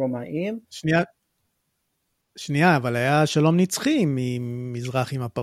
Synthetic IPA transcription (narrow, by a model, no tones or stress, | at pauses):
omaʔimʃnia | ʃniaːvalajaʃalo̞mnit͡sχimimizʁaχimapa